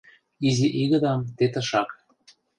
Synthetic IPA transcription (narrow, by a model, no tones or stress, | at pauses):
iziʔiɣə̆d̪ɑmt̪et̪ə̆ʃɑk